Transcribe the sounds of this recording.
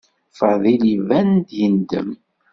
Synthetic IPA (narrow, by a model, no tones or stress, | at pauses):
fɑðˤilivænd̪jənd̪ə̰m